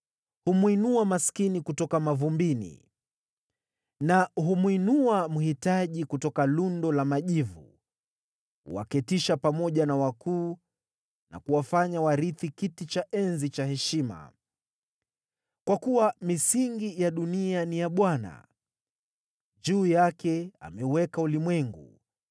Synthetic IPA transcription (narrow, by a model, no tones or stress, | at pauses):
humwinuamaskinikutɔkamavumbinḭ | naɦumwinuamuhitaʄikutɔkalundɔlamaʄivṵ | ṵwa̰kɛtiʃapamɔʄanawakuː | na̰kuwafaɲawaɾiθikitit͡ʃaʔɛnzit͡ʃahɛʃima̰ | kwakuwamisiŋɡijaɗunianijaɓwana̰ | ʄuːjakɛa̰mɛuwɛkaulimwɛŋɡṵ